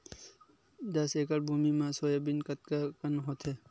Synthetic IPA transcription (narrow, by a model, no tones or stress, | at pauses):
d̪ɐseːkɐɾbʱuːmimãːsoːjebɪnkɐt̪̚kakɐnɦoːt̪ɦɛː